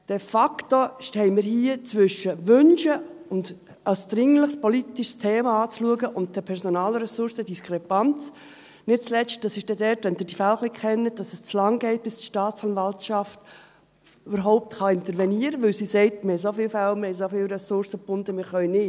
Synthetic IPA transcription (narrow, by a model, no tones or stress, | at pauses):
d̥ɛfɑktoʃtɛɪmɪɾhiːət͡sʋʏʃːəʋʏnʃəʊnd | ɑsd̪̥ɾɪŋləχspɔlitiʃstʰeːmɑɑːt͡sluəɡəʔʊnt̚d̥əpʰɛɾsonɑːlɾɛsʊɾsəd̥iskχɾɛpɑnt͡s | nɪt̚t͡slɛt͡ʃt̚d̥ɑsɪʃd̥ɛdɛtʋɛnd̥ɪːd̥ifælχlikχɛnːət̚d̥ɑsəst͡slɑŋɡɛɪt̚b̥ɪstʃtɑːt͡sɑnvɑltʃɑft | ybəɾɦɔʊp̚tχɑɪnt̪əɾʋɛniəɾəʋɪlsisɛɪtmɪɾhɛɪsofɪːlfælmɪhɛɪsofɪːlɾɛsʊɾsəpʊndəmɪɾχœʏnɪ